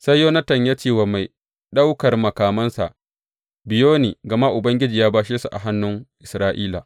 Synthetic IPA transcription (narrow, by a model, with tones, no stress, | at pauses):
sɐ˦jːoː˦nɐ˦tɐ˨ɲja˦t͡ʃeː˨wa˨ma˨j | ɗa˦wkɐ˨rmɐ˨kaː˨mɐ˦nsa̰˨ʔ | bɪ˨joː˦niː˨ɡɐ˨ma˦ʔʊ˨bɐ˦ŋɡʲɪ˦d͡ʒiː˨jaː˦baː˦ʃeː˦su˨ʔa̰˨ɦa˦nːʊ˦ŋʔɪ˨sɾaː˦ʔiː˦la˨